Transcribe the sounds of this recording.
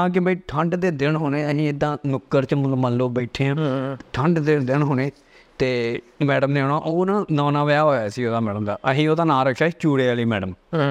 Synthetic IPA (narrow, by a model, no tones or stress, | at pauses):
ãːk̬ɪbəiːʈʰəɳɖd̪eːd̪ɪnɦoːnẽːəd͡ʒĩːɪd̪ːãːnʊkːəɾt͡ʃəməlloːbeːʈʰeːãːʈʰəɳɖd̪ɪd̪ɪɳɦoːneː | t̪eːmɛːɖəmd̪eːoːnãːʔoːnãːnɔ̃ːnãːʋaːɦoːaːsiːoːd̪aːmɛːɖəmd̪a̰ːʔəɦiːoːd̪aːnãːɾəkʰʃaːit͡ʃuːɽeːaliːmɛːɖəm